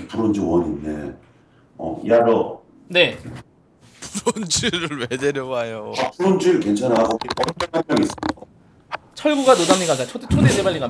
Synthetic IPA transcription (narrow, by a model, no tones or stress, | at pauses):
puɾond͡ʑiwʌɲinde̞ | ʌ̰iaɭo | ne̞ | puɾond͡ʑiɾɯɭmedeɾjʌbajoapuɾond͡ʑiɯkent͡ɕʰanakʌkipʌdeaɲaɡiːs͈ɯia | t͡ɕʰʌɭɡuɡanodaŋɲiɡad͡ʑat͡ɕʰodt͡ɕʰoded͡ʑebaɭːiɡa